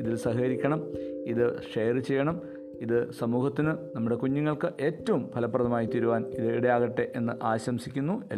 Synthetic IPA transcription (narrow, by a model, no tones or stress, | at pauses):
iðilsɐɦɐɐɾikʲːɐɳɐmiðɨʂejɐrɨt͡ɕe̞jːɐɳɐm | iðɨsɐmuːhɐt̪ːinɨnɐmːuɽe̞kuɲːuŋːɐɭkɨʔe̞ːtːɐʋumpʰɐlɐpːrɐðɐmaːjit̪iɾuʋaːniðɨiɽɐjaːɣɐʈːe̞ʔe̞nːɨʔaːɕɐmsikʲːunːue